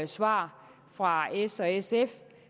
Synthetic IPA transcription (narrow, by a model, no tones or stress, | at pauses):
e̥sʋɑ̰̈ː | fʁɑ̈esɒesef